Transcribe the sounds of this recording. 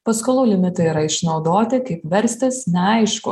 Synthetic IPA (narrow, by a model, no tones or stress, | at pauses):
pɐskolˠuːlʲɪmʲɪt̪ɐiɾɐɪʃnɒʊd̪oːt̪ʲɪkɐɪpʋʲɛɾʲsʲt̪ʲɪsnʲɛɐɪʃkʊ